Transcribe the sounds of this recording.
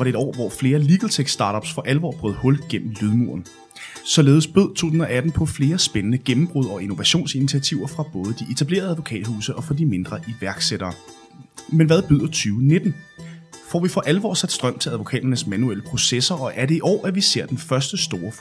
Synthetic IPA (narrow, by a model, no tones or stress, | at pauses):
ɑ̈ɾ̥e̝eɾɒ̰ːʋɒfle̝ːɐliɡ̥l̩t͡sʰeɡ̥sd̥ɑ̈ːɾɒ̽b̥sfɒ̽ʔælʋɒ̰ːb̥ʁœð̰ˠhɔ̽lɡ̥en̰m̩lyð̞ˠmuɐ̰n̩ | sɒ̽le̝ːð̞ˠəsb̥øð̞̰ˠt͡sʰo̝̰ːsun̩ɒæd̥n̩pʰɒ̽fle̝ːɐsb̥enənəɡ̥emm̩b̥ʁuð̞̰ˠɒ̽ino̝ʋæɕo̝̰ːnsinit͡sʰiæt͡sʰiʊɐfʁɑ̈b̥ɔ̽ːðˠəd̥iet͡sʰæb̥le̝̰ːɐð̞ˠæðˠʋo̝kʰɛ̰ːd̥huːsəʔɒ̽fɒ̽d̥ime̝nd̥ʁɐʔiʋæɐɡ̥seɾ̥ɐː | menʋæðˠb̥yð̰ˠɐt͡sʰyːʊne̝d̥n̩ | fɒ̰ʋifɒ̽ʔæləʋɒ̰ːsæd̥sd̥ʁɶm̰t͡sʰe̝læðˠʋo̝kʰɛ̰ːd̥ɐnəsmænueləpʰʁo̝sesɐʔɒ̽ʔæɐɾe̝iʔɒ̰ːʔæɐʋise̝ɐ̰d̥enfɶɐsd̥əsd̥o̝ːɐ